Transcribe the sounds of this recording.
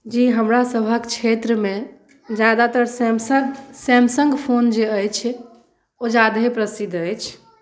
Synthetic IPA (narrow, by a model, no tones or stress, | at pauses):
d͡ʒiɦəmɾasəbʱəkt͡ʃʰet̪ɾəme | d͡ʒjad̪at̪əɾsmsəsɛmsəŋɡpʰond͡ʒeəjt͡ʃʰ | od͡ʒad̪ʱɦepɾəsid̪əjt͡ʃʰ